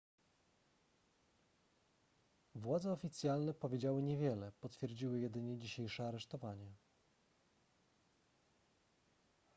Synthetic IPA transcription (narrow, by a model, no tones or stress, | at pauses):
vwad̪zɛɔfʲit̪sʲjalnɛpɔvʲjed͡ʑawɘɲevʲjɛlɛpɔt̪fʲjɛɾd͡ʑiwɘjɛd̪ɘɲɛd͡ʑiɕejʂɛaɾɛʂt̪ɔvaɲɛ